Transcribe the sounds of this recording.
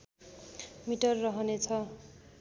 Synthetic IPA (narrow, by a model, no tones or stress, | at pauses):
miʈʌrːʌɦʌnet͡sʰʌ